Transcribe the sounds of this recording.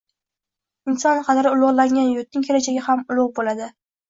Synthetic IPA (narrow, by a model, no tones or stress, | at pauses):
ɪnsɒnqʰɑd̪ɾɪʊlˠʊʁlˠaŋʲanjʊt̪̚nɪŋkʲʰelat͡ʃʰaɡʲɪhamʊlˠʊʁbolad̪ɪ